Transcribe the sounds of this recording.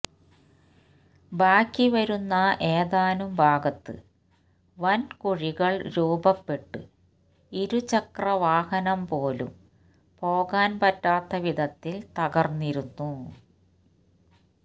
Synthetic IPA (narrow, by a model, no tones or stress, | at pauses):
baːkːiʋɐɾunːɐʔeːðaːnumbʱaːɡɐt̪ːɨ̰ | ʋɐnkuɻiɣɐɭɾuːbɐpːe̞ʈːɨ̰ | iɾut͡ɕɐkrɐʋaːhɐnɐmpo̞ːlṵm | po̞ːɣaːnpɐtːaːt̪ːɐʋid̪ʱɐt̪ːilt̪ɐɣɐrniɾunːu